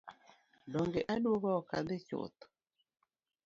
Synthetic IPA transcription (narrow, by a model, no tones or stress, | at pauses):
dɔŋɡeʔaɗwoɣɔkad̪ɪt͡ʃo̰t̪o̥